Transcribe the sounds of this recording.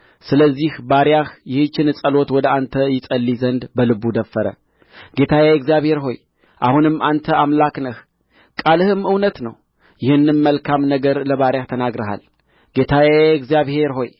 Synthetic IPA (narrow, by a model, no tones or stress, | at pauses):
sɨləzːihbaɾjahjɪhɨt͡ʃːɪnɨsʼəlo̞t̪wɔd̪əant̪ʰəjɪsʼəlːizənd̪bəlɨbud̪əfːəɾə̰ | ɡ̥e̞t̪ʰajaɛkzijaβhe̞ɾɦo̞j | ʔa̰hunɨmːʔant̪ʰəamlaknəh | kʼalɨhɨmɨwnət̪nəw | jɪhɨnːɨmməlkʰamnəɡəɾləβaɾjaht̪ʰənaɡɾəɦa̰l | ɡ̥e̞t̪ʰajaɛkzijaβhe̞ɾɦo̞j